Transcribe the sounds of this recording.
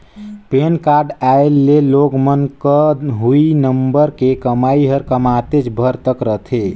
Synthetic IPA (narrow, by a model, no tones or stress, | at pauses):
penkaɾɖaellːeloɡmənkəɦuinəmbəɾkekəmaiɦəɾkəmat̪et͡ʃbʱəɾt̪əkɾəɦt̪ʰe